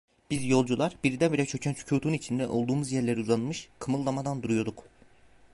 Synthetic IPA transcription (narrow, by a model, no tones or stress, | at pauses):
b̥izjo̞lˠd͡ʒulˠaɾbiɾid̪ɛnbiɾɛt͡ʃʰø̞cʰɛnt͡ʃʰu̥cʰuːt̪ʰuit͡ʃʰind̪ɛʔo̞lˠd̪uːmuzjɛɾlʲeɾiuzanmɯʃkʰɯmɯlˠːamad̪and̪uɾujoɾd̪uk